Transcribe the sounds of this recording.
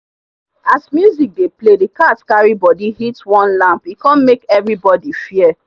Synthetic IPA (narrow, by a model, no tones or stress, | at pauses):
asmjuzik̚depledikatskaɹibɔdihitwɔ̃nlãmpikãnmekɛvɹibɔdifiɛ